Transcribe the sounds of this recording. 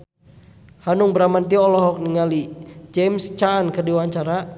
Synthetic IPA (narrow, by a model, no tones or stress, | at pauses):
hanʊŋbəɾamant̪̬iɔlɔɦɔk̚niŋalid͡ʒɛmst͡ʃaːnkərdiwaɲt͡ʃaɾa